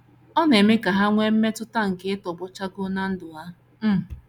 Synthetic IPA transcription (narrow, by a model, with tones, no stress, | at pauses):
ɔ˦ne˨me˦ka˨ɦa˦ŋʷe˦m̩˦me˦tʊ˦ta˦ŋ̩˨ke˦ɪ˦tɔ˨bʊ˦t͡ʃa˦ɡʊ˦na˦n̩˦dʊ˨a˦ | m̩˦˨